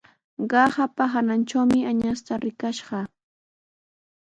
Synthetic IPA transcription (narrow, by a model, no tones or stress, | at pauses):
ɢɑhapaɦanant͡ʃawmɪaɲast̪aɾɪkaʃɢɑ